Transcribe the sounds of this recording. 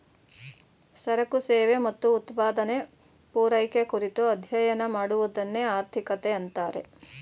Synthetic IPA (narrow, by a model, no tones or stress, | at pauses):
sɐɾɐkuseːʋemɐt̪ːuːt̪paːd̪ɐne | puːɾɐjkekuɾit̪uɐd̪ʱjɐjɐnɐmaːɽuʋud̪ɐnːeaːɾt̪ʰikɐt̪eɐnt̪aːɾe̞̰